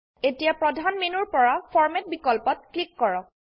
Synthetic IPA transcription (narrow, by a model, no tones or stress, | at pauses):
etijapɹɔdʱanmenuɹpɔɹapʰɔɹmɛt̚bikɔlpɔt̚klikːɔɹɔk